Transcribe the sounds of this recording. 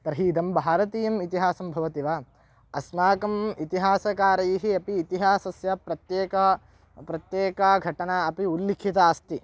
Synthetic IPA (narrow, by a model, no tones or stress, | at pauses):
t̪ɐɾɦiːd̪ɐmbʱaːɾɐt̪iːjɐmit̪iɦaːsɐmbʱɐʋɐt̪iʋa | ɐsmaːkɐmit̪iɦaːsɐkaːɾɐjiɦiɐpiːt̪iɦaːsɐsjɐpɾɐt̪jeːkɐ | pɾɐt̪jeːkaɡʱɐʈɐnɐɐpiulːikʰit̪ɐːst̪i